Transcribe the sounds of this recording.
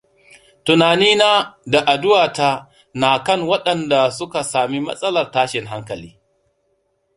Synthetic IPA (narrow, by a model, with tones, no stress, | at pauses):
tʊ˨naː˨niː˦naː˦da˨ʔa˨dʊ˦waː˨ta˦ | na˨kɐ˦˨ŋwɐ˦ɗɐ˨nda˨sʊ˦ka˨saː˨mi˦mɐ̰˦sʼɐ˦lɐ˨rtaː˦ʃɪ˨ŋɦa˦ŋkɐ˨lḭː˦